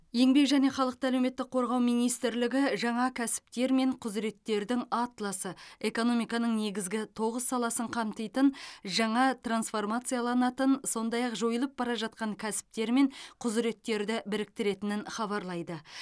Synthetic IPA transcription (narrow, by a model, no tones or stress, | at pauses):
je̞ŋbe̞kʒæne̞χɑlˠəq̚t̪əælewme̞t̪ːɪk̚qʰːo̞ɾʁɑwmijnijst̪ɪɾlɪɡʲɪʒɑɴɑkʲʰæsɪ̥p̚t̪e̞ɾme̞ɴqʰʊzɾe̞t̪ːe̞ɾd̪ɪŋɑt̪lˠɑsəe̞ko̞no̞mijkɑnəɴne̞ɡʲɪzɡʲɪt̪ʰo̞ʁəsːɑlˠɑsəɴqʰɑmt̪əjt̪ənʒɑɴɑt̪ransfo̞rmat̪sɨjɑlˠɑnɑt̪ənso̞nd̪ɑjɑqʒo̞jəlˠəp̚bɑɾɑʒɑt̪̚qɑŋkʲʰæsɪ̥p̚t̪e̞ɾme̞ɴqʰʊzɾe̞t̪ːe̞ɾd̪ɪbɪɾɪk̚t̪ɪɾe̞t̪ɪnɪnχɑβɑɾlˠɑjd̪ə